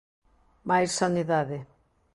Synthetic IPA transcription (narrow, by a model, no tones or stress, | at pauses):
majssaniðaðɪ